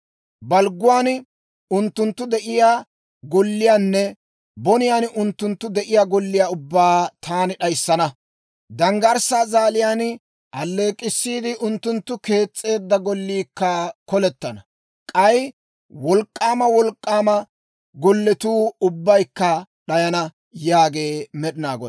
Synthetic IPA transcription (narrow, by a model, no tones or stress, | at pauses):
bɐlɡʊwaːn | ʊnt̪ːʊnt̪ːʊd̪ɛʔɪjaː | ɡɔlːɪjaːnːɛ | bɔnɪjaːnʔʊnt̪ːʊnt̪ːʊd̪ɛʔɪjaːɡɔlːɪjaːʊbːaːt̪ʰaːnɪɗɐjsːɐnɐ | d̪ɐŋɡɐɾsaːzaːlɪjaːn | ʔɐlːe̞ːkʼːɪsːiːd̪ɪʔʊnt̪ːʊnt̪ːʊke̞ːt͡sʼːe̞ːd̪ːɐɡɔlːiːkːɐkɔlɛt̪ːɐnɐ | kʼɐj | wɔlkʼːaːmɐwɔlkʼːaːmɐ | ɡɔlːɛt̪uːʊbːɐjkːɐɗɐjɐnɐ | jaːɡe̞ːmɛɗɪnaːɡɔ